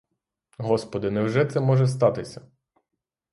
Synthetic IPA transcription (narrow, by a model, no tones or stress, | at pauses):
ɦɔspɔd̪ɪnɛwʒɛt̪sɛmɔʒɛst̪ɑt̪ɪsʲɐ